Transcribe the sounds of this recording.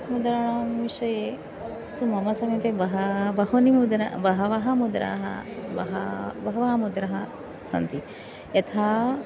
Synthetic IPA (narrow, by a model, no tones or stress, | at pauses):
mud̪ɾaɳamʋiʂɐje | t̪umɐmɐsɐmit̪ebɐɦɐʋɐɦonimud̪ɾaʋɐɦɐʋɐɦɐmud̪ɾa̰ːɦɐ̰ʋɐɦɐʋɐɦɐʋaːmud̪ɾɐɦɐ | sɐ̰nt̪i | et̪ʰaː